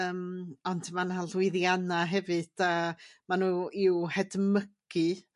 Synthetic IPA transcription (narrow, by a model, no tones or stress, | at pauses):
əːmɔndmanalwɪðjanaɦɛvɨd̥amanuːɪwhɛdməɡ̥ɨ